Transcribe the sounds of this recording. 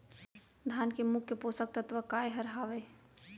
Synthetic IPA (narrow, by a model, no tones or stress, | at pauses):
d̪ʱaːnkemʊkʰːepoːsək̚t̪ət̪ʋəkaːjɦɐɾɦaːʋej